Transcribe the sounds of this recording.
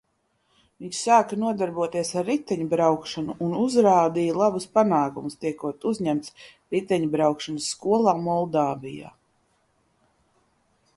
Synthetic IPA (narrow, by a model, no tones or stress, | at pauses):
viɲssaːkɐnuɔd̪aɾbuɔt̪iɛsaɾːit̪ɛɲubɾawkʃanuʔːnuzɾaːd̪ijlˠabuspanaːkumust̪iɛkuɔt̪uzɲæmt̪s | ɾit̪ɛɲbɾawkʃanəsːkuɔlˠaːmɔlˠd̪aːvija̰ː